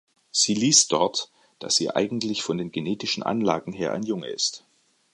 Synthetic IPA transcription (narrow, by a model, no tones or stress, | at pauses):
z̥iːliːstd̥ɔɐt | d̥a̰sz̥iːʔa̰ɪɡŋ̩tlɪçfɔndeːnɡeneːtɪʃn̩ʔa̰nlaːɡŋ̩ɦeːɐʔa̰ɪnjʊŋə̰ɪ̰st